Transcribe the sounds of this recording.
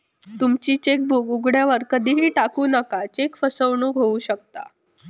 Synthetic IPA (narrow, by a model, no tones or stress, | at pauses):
t̪umt͡ɕiːt͡ɕek̚bukuɡɽjaʋəɾkəd̪ʱiːɦiːʈakuːnakat͡ɕekfəsəʋɳuːɡʱouːɕək̚t̪a̰